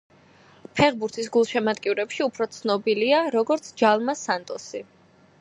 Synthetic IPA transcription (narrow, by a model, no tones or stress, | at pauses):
pʰɛʁbuɾt̪ʰis̬ɡulˠʃɛmad̪kʼiɾɛpʃiupʰɾɔt̪sʰnɔbiliaɾɔɡɔɾt̪sʰd͡ʒalˠmasant̪ʼɔsi